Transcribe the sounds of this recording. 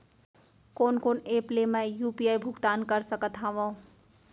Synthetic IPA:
konkoneplemejupiajbʱuɡt̪ankəɾsəkət̪ʰɦaʋõ

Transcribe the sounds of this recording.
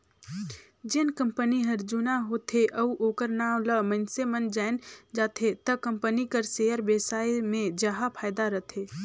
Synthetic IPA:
d͡ʒɪnkə̃mpəniɦɐɾd͡ʒuːnaɦoːt̪ʰeʔɐuʔoːkəɾnaːwləmənsemənd͡ʒaːɪnd͡ʒaːt̪ʰet̪əkə̃mpənikəɾseːəɾbeːsaːimẽd͡ʒəɦapʰaːɪd̪aɾət̪ʰeː

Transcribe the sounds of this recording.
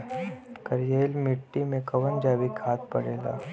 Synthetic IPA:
kɐɾjeːlmɪʈːimẽkɐʋənd͡ʒaːʋikʰaːt̪̚pɐɽeːla̰ː

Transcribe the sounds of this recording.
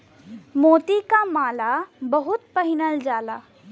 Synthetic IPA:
moːt̪ikamaːlabɐɦʊt̪̚pəɦɪnəld͡ʒaːlaː

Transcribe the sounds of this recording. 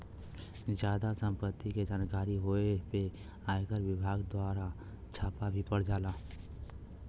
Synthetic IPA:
d͡ʒjaːd̪asə̃mpət̪ːiked͡ʒaːnɡaːɾiɦoepe | aːekəɾwɪbʱaːɡd̪waːɾa | t͡ʃʰaːpabʱipəɽ̤d͡ʒaːlaː

